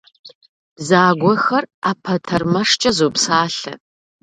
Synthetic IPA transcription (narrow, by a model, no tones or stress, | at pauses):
b̥zaːɡʷɔxɐraːpʰɐtʰɐrmɐʂt͡ʃʼɐzuːpsaːɬɐ̰